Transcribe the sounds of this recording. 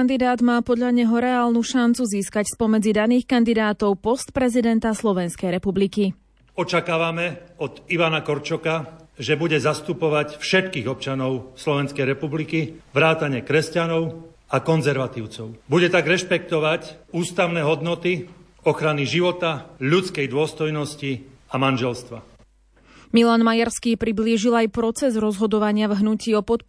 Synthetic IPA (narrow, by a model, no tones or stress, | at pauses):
nd̪id̪aːd̪maːpɔd̪ʎaɲɛɦɔɾɛaːlnuʃant͡suziːskacspɔmɛd͡zid̪aniːxkand̪id̪aːt̪ɔʊpɔst̪pɾɛzid̪ɛnt̪aslɔʋɛnskɛjɾɛpubliki | ɔt͡ʃakaːʋamɛɔd̪iʋanakɔɾt͡ʃɔkaʒɛbuɟɛzast̪upɔʋacfʃɛt̪kiːɣɔp̚t͡ʃanɔʊslɔʋɛnskɛjɾɛpublikiʋɾaːt̪aɲɪɛkɾɛscanɔʊ | akɔnzɛɾʋat̪iːʊt͡sɔʊbuɟɛt̪aɡɾɛʃpɛk̚t̪ɔʋacuːst̪aʊnɛːɦɔd̪nɔt̪i | ɔxɾaniʒiʋɔt̪aʎut͡skɛjd̪ʊɔst̪ɔjnɔsciamanʒɛlst̪ʋa | milaːnmajaɾskiːpɾibliːʒilajpɾɔt͡sɛzɾɔzɦɔd̪ɔʋaɲɪavɦnuciːɔpɔt̪